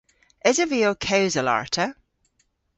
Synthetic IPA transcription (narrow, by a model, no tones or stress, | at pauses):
ɪzəviokʰeʊzəla̰ɹtʰə